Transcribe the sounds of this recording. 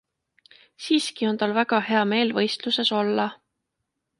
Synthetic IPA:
siːskio̞nt̪ɑlvæɡɑhe̞ɑme̞ːlvɤjst̪luse̞so̞lːɑ

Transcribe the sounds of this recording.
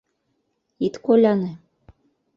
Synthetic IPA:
it̪kolʲɑne

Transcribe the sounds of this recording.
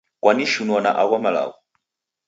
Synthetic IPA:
kwaniʃunuana̰ʔakwamala̰ɣɔ

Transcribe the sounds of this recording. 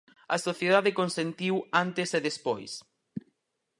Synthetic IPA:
ɐ̰soθjeð̞aðɪkõnsent̪iwant̪ɪseðespojs

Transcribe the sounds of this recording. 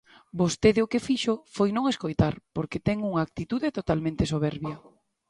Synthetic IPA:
bost̪eðeokefiʃofojnõŋeskojt̪aɾpoɾket̪ɛŋuŋaːk̚t̪it̪uðet̪ot̪almẽnt̪esoβ̞ɛɾβjɐ

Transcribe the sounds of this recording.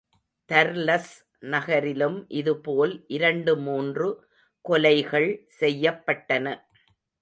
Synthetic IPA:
t̪ɐɾlɐs | nɐɣɐɾɪlɯmʔɪðɯpoːlʔɪɾɐɳɖɯmuːndrɯ | kɔlɐɪɣɐɭsɛjːɐpːɐʈːɐnɐ

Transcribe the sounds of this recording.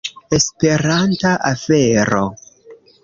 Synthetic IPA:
e̞spe̞ɾantaʔafe̞ɾo̰

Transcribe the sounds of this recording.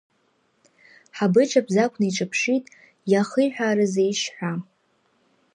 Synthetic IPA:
ħabɨʈ͡ʂʰʼabʰzakʷʰʼnaiʈ͡ʂʼɨpʰʂitʼ | jaχəjħʷᶣaːɾɨzejʂħʷᶣa

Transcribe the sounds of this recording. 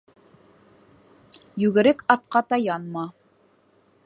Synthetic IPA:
jʉɡɘ̆ɾɘkɑt̪̚qɑt̪ɑjɑnmɑ

